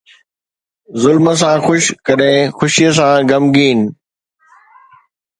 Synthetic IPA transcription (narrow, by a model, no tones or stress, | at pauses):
zʊlməs̬ãːxʊʃkɐɗɦɪ̃xʊʃijəs̬ãːɡɐmɡiːnɪ